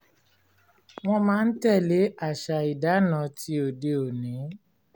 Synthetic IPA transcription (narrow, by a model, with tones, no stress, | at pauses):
w̃ɔ̃˧mãː˦n̩˦tɛ˦˨le˨˦a˦˨ʃa˨i˨da˨˦nã˨˦ti˧˦o˨de˧o˨nĩ˨˦